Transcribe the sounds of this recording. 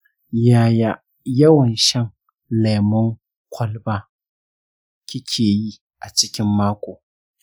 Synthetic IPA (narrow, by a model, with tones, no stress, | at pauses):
jaː˦ja˦ | jɐ˦wɐ˨nʃɐ˦ŋ | le˨mʊ˦ŋ | kʷʰɐ˦lbaː˦ | kʲi˦kʲʰeː˨ji˦ | ʔa˨t͡ʃɪ˦kʲɪ˦mːaː˦kʷʼoː˨